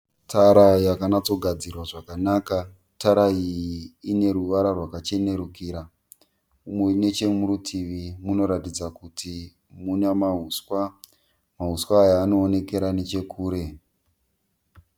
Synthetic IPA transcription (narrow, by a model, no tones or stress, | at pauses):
tʰaɾajakanat͡so̞ɡʱad͡zirwaʐakanaka | taɾaiine̞ɾuʋaɾarwakat͡ʃe̞ne̞ɾukiːɾa | umweune̞t͡ʃe̞muɾutʰiʋimuno̞ɾatid͡zakutʰi | munamaɦuswa | maɦuswaːjaːno̞ːne̞ke̞ɾane̞t͡ʃe̞kʰuːɾe̞